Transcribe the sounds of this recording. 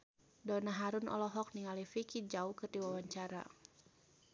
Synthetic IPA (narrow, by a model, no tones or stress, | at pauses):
dɔnaɦaɾunɔ̰lɔɦɔk̚niŋalifikid͡ʒaukɨrdiwawaɲt͡ʃaɾa̰